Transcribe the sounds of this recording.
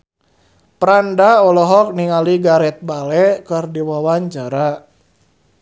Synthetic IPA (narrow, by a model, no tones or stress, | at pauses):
pɾandaɔlɔɦɔk̚niŋaliɡaɾɛt̪̚balɛkɨrdiwawaɲt͡ʃaɾa